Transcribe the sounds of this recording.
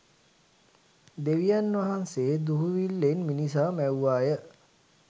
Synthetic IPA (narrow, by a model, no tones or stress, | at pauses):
d̪eʋijanʋɐɦanseːd̪uɦuʋilːenminis̬aːmæwʋaːjə